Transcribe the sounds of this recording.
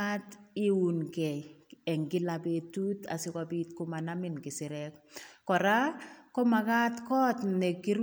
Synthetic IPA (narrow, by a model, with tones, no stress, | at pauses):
a˦ti˦u˨nkɛ˨ɛ˨ŋɡɪ˦labe˨tu˦ta̰˨sɪ˦kabi˦t̚ko˦ma˨namɪnkɪ˨sɪɾɛkkɔ˨ɾa˦kɔ˦ma˨ka˦tkɔ˦tnɛ˨ki˦ɾ